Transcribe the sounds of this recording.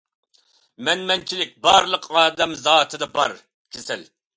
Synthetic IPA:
mɛnmɛnt͡ʃʰilɪk̚ʲbɑɾlˠəqʰɑːd̪ɛmzɑːt̪ʰɨd̪ɑbɑɾ | kʲʰesɪl

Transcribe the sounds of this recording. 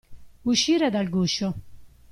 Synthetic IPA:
uʃiːɾad̪alɡuːʃo

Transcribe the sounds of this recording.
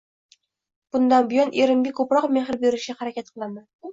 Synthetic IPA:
b̥ʊnd̪anbɪjɒnʔeɾɪmɡʲɪkʰɵpɾɒqmeχɪɾbeɾɪʃaχaɾakʲat̪̚qʰɨlˠama

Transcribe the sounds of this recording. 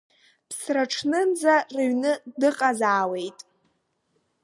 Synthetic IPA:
pʰsraʈ͡ʂʰnɨnd͡zarɨɥnɨdɨqʼazaːwe̞jtʼ

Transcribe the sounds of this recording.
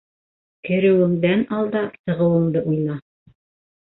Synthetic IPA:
kɘ̆ɾɘ̆wɘ̆ŋd̪ænɑlˠd̪ɑt̪ɤ̆ʁɤ̆wɤ̆ŋd̪ɤʔujnɑ

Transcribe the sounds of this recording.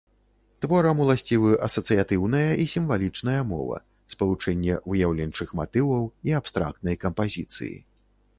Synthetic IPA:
t̪vɔɾɐmulˠasʲt͡sʲivɨʔɐsɐt̪sɨjat̪ɨwnɐjɐʔisʲimvalʲit͡ʂnɐjɐmɔ̰vɐ̰ | spɐlˠut͡ʂɛnʲːɛvɨjawlʲɛnʲt͡ʂɨxmat̪ɨvɐwiapst̪ɾa̰k̚t̪nɐjkɐmpazʲit̪sɨ̰jḭ

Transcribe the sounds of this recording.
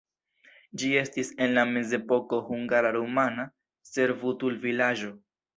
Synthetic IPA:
d͡ʒie̞stise̞nlame̞ze̞po̞ko̞huŋɡaɾaɾomana | se̞ɾvutulvilad͡ʒo̞

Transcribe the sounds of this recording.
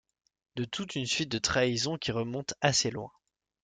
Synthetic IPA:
d̪ət̪ut̪ynsɥit̪̚d̪ət̪χaizɔ̃kʲiʁəmɔ̃t̪aselwɛ̰̃

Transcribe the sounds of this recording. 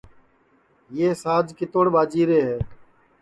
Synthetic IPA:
jeːsaːd͡ʒkɪt̪oːɽɓaːd͡ʒiːɾeːɦɛː

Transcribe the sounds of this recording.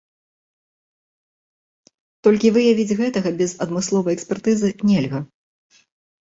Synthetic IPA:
t̪ɔlʲkʲivɨjavʲid͡zʲɣɛt̪ɐɣɐbʲɛzɐd̪mɨslˠɔvɐjɛksʲpʲɛrt̪ɨzɨnʲɛlʲɣɐ

